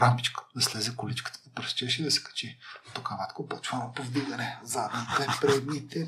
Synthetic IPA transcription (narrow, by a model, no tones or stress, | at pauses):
ɾambit͡ʃkə̥d̪ɐslɛzɛkʊlit͡ʃkə̥t̪ə̥d̪ɐpɾst͡ʃɛʃid̪ɐsɛ̥kɐ̥t͡ʃɛt̪okavat̪kopot͡ʃvanɐpovd̪iɡɐnɛzad̪nap̪ɛt̪pɾɛd̪nit̪ɛ